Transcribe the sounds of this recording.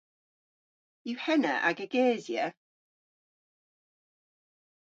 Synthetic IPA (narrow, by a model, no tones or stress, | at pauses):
juhɛnə̰ʔa̰ɡəɡɛːzjə